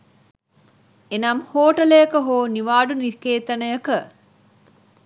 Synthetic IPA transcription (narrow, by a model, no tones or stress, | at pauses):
enɐmhoːʈələjəkəɦoːniʋaːɖunikeːt̪ɐnəjəkə